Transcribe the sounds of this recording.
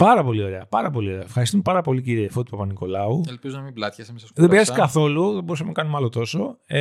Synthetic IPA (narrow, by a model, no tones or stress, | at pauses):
pɐɾɐpo̞lio̞ɾe̞ɐpɐɾɐpo̞lio̞ɾeɐfxɐɾist̪umepɐɾɐpo̞liciɾiefot̪ipɐpɐniko̞lɐuelpizunɐmiblɐt̪çɐsemesɐsðembiɾɐsiskɐθo̞luðebo̞ɾus̬ɐmenɐkɐnumɐlot̪o̞so̞